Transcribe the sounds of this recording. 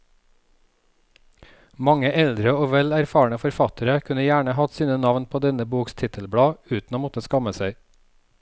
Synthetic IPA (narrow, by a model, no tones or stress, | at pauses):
mɑŋəʔɛld̪ɾəoːʋɛlæɾfɑːɳəfɔɾfɑt̪ʰəɾəkʰʉnəjæːɳəhɑt̪siːnənɑʋnpʰoːd̪ɛnəbuːkst̪ʰɪt̪ʰəlbɽɑːʉːt̪n̩oːmɔt̪əskɑməsæɪ